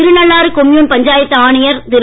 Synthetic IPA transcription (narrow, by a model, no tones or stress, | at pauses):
ɪɾɯnɐɭːaːɾɯkɔmjuːnpɐɲd͡ʒaːjɐt̪ːaːɳɪjɐɾt̪ɪɾ